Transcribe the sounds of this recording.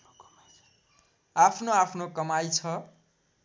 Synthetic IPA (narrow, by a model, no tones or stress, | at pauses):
apʰnoapʰnokʌmajt͡sʰʌ